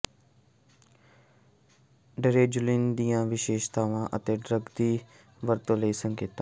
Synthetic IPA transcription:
ɖəɾeːd͡ʒʊlind̪ijãːʋɪʃeːʃt̪aːʋãːʔət̪eːɖɾəɡd̪iː | ʋəɾt̪õləiːsə̃ŋkeːt̪aː

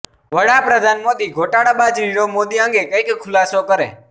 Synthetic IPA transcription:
ʋəɽapɾəd̪ʱanmod̪iɡʱoʈaɽabad͡ʒɾiɾomod̪iə̃ŋɡekəjkkʰʊlasokəɾḛ

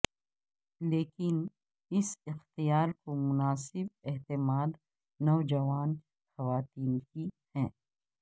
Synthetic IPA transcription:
leːkɪn | ɪsɪxt̪ijaːɾkomʊnaːsɪbɛɦt̪ɪmaːd̪ | nɔːd͡ʒɐʋaːn | xɐʋaːt̪iːnki | hɛ̃ː

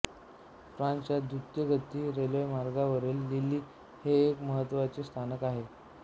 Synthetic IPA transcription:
fɾãnt͡ɕjad̪ut̪jəɡʱət̪ːiːɾeləjmaɾɡaʋəɾelːilːiː | heːkməɦət̪ːʋat͡ɕist̪ʰanəkaɦe

